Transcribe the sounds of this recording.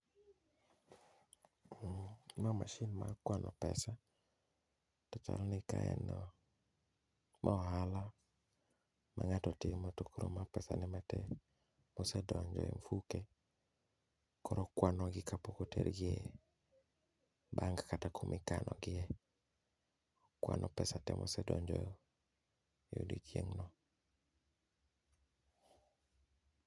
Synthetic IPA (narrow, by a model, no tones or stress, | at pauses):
mamaʃɪnmakwanɔpɛsa | tɔt͡ʃa̰lnɪkaɛ̰nɔ | mʔaɔɦala | maŋatɔtɪmɔtokoɾo̰mapɛsanɪmatɛ̰ | mosɛdɔɲd͡ʒɔ̰iɱfuke | kɔɾɔkwanɔɡɪkapokotɛɾɡɪɛ | baŋɡakatakʰomʔɪka̰nʔɔɡɪɛ | kwa̰nʔɔpɛsatɛmʔɔsɛdɔɲd͡ʒɔ | eo̰ditjeŋnɔ